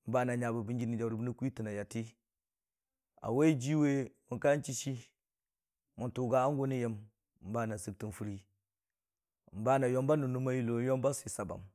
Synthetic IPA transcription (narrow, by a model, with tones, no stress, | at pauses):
m˦ba˦na˨ɲa˨bu˨bi˦ŋɡi˦ni˨d͡ʒa˨wɾu˨bu˦ni˦kʷi˦ti˨na˨ja˨ti˦ | a̰˨we˦d͡ʒi˦we˦mu˨ka˦n˦t͡ʃi˦ʃi˦ | mu˨tu˨ɡa˨a˦ŋɡo˦ni˦je˦m˨ | m̩˦ba˦˨na˨sɨ˨k̚ti˨nfu˨˦ɾi˦˨ | m˦ba˦na˨jo˦mba˦nu˨nu˦ma˦ji˦lo˨˦jo˦mba˦si˨sa˨ba̰˨m